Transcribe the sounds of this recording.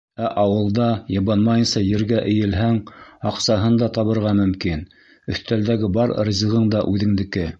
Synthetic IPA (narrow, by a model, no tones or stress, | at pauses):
æʔɑwɤ̆lˠd̪ɑjɤ̆βɑnmɑjɤ̆nsɑjɘ̆ɾɡæʔɘ̆jɘ̆lɦæŋɑqsɑɦɤnd̪ɑt̪ɑβɤ̆ɾʁɑmɵ̆mkin | ɵ̆θt̪æld̪æɡɘbɑɾrɤ̆zʲʁɤɴd̪ɑʔʉðɘ̆ŋd̪ɘ̆kɘ